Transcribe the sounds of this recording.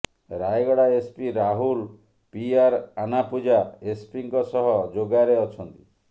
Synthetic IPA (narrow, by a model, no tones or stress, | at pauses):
ɾajɡɔɽaespiɾaɦul | piaɾanapud͡ʒaespiŋkɔsɔɦɔd͡ʒoɡaɾeɔt͡ʃʰɔnt̪i̥